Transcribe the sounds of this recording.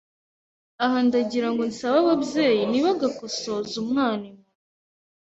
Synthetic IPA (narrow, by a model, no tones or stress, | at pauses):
aɦandaɟiɾaŋɡonsaβaβabjeːjiniβaɡakosozumŋaːnime